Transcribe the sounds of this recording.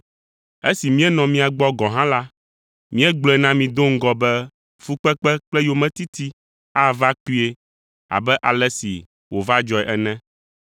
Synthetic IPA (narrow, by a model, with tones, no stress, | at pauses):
e˦si˨mĩ˦ɛ˦nɔ̃˨mĩ˦a˨ɡ͡bɔ˦ɡɔ̃˨ɦã˦la˦ | mĩ˦ɛ˦ɡ͡blɔ˨nã˦mĩ˨d̪o˦ŋ̩˦ɡɔ˨bɛ˦ | fu˦k͡pɛ˦k͡pɛ˦k͡plɛ˦jo˦mɛ̃˦t̪i˦t̪i˦ | a˦va˦k͡pi˦e˦ | a̰˨bɛ˦ʔa˨lɛ˦sḭ˨ | wo˨va˦d͡ʒɔ˨ɛ˨ʔɛ˨nɛ̃˦